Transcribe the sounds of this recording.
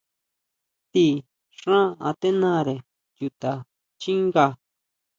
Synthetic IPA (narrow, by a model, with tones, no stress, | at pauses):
t̪i˦ | ʂã˦a˧t̪e˦nã˦ɾe˨ | ju˨˧t̪a˨ | t͡ʃi˦ŋɡa˧